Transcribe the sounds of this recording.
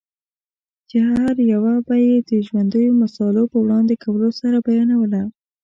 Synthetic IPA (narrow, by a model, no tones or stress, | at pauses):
d͡ʒəhaɾjawabajed̪əʒwand̪əjomasɑlapəwɽɑnd̪ekʰawəlosaɾabajɑnawəla